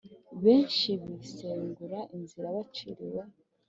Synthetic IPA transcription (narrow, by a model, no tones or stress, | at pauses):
βe̞ːnʃiβiseːŋɡuɾaʔinziɾaβat͡ʃiɾiwe